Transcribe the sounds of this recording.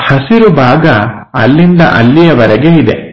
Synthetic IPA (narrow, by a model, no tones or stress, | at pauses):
hɐsiɾubʱaːɡɐ | ɐ̰lːind̪ɐ̰ʔɐ̰lːijɐʋɐɾɛɡeid̪e̞̰